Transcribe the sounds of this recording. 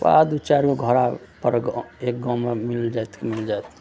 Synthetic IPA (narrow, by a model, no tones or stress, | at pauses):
ba̰d̪ut͡ʃaɾkeɡʱəɾapəɾɡek̚ɡãmemild͡ʒajt̪kmild͡ʒajt̪ʰ